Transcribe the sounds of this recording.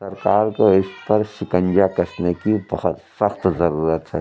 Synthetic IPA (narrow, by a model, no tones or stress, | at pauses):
sɐɾkaːɾkoɪspɐɾʃɪkə̃nd͡ʒakɐsnekibɐhɔt̪sɐxt̪zɐɾuːɾət̪ɦɛː